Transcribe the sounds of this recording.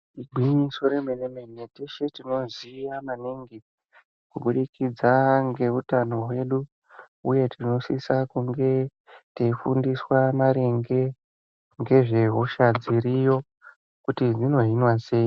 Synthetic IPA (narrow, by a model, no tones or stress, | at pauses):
iɡʱwiɲiso̞ɾemenemeneteʃetino̞ziʋamaniŋɡi | kuɓuɗikid͡zaŋɡe̞utano̞we̞ɗu | uje̞tʰino̞sisakuŋɡe̞ | teifundiswamaɾeŋɡe̞ | ŋɡe̞ʐe̞ɦoʃad͡ziɾijo̞ | kutid͡zino̞ɦinwase̞ːji